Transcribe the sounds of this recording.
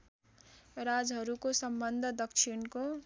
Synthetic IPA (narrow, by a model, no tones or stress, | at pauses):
ɾad͡zɦʌɾukosʌmbʌnd̪ʱʌd̪ʌkt͡ʃʰinko